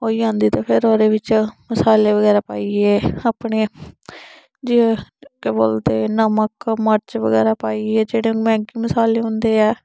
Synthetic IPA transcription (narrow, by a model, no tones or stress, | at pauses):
oːiːãːnd̪iːt̪ãːpʰɪɾoːɾeːʋɪt͡ʃməsaːleːʋəɡɛːɾaːpaːiːeːaːpɳeː | d͡ʒikːbo̰ːlt̪eːnəməkməɾt͡ʃʋəɡɛ̰ːɾaːpaːiːɛːd͡ʒeːɽemɛ̃ːŋkiːməsaːleːɦʊ̃nd̪eːɛː